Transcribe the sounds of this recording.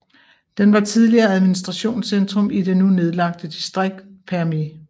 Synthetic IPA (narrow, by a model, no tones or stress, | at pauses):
d̥enʋɑ̈t͡sʰiðˠliɐːæð̞ˠminisd̥ʁɑ̈ɕo̝̰ːnsend̥ʁɔmide̝nune̝ð̞ˠlɑ̈ɡ̥̚d̥əd̥isd̥ʁeɡ̥̚d̥pʰæɐme